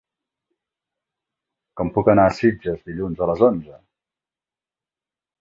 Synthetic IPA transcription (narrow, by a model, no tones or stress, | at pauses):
kɔmpukənaəsid͡ʒəzðiʎunzələzonzə